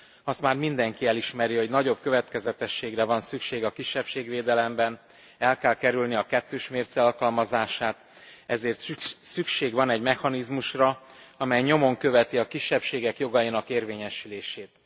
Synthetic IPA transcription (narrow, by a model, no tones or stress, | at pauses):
ɒst̪maːrmind̪ɛŋkiɛliʃmɛɾiho̞ɟnɒɟo̞b̚køvɛt̪kɛzɛt̪ɛʃːeːɡrɛvɒnsykʃeːɡɒkiʃːɛpʃeːɡveːd̪ɛlɛmbɛn | ɛlkɛlkɛɾylniɒkɛt̪ːøːʃmeːrt̪sɛɒlkɒlmɒzaːʃaːt̪ | ɛzeːrt̪sykʃeːɡvɒnɛɟmɛxɒnizmuʃrɒɒmɛjɲo̞mo̞ŋkø̞vɛt̪iɒkiʃːɛpʃeːɡɛkjo̞ɡɒjinɒkeːrveːɲɛʃyleːʃeːt̪